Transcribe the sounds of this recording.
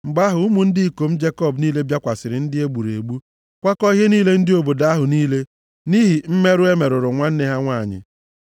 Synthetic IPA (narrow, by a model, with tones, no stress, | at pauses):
ŋ͡m̩˨ɡ͡ba˦ɦʊ˨u˦mu˨n̩˦dɪ˦i˦˨ko˨m̩˦d͡ʒe˦kɔ˦˨bniː˦le˦bja˦kʷa˨sɪ˨ɾɪ˨˦n̩˦dɪ˦e˦ɡ͡bu˨ɾḛ˨ɡ͡bu˦ | kʷa˦kɔ˦ɦe˦niː˦le˦n̩˦dɪ˦o˨bo˨da˨˦a˦ɦʊ˨niː˦le˦ | ni˦ɦi˨m̩˦me˦ɾʊ˦e˦me˨ɾʊ˨ɾʊ˨ŋʷa˦n̩˦ne˦ɦa˦ŋʷa˦˨ɲɪ̰˨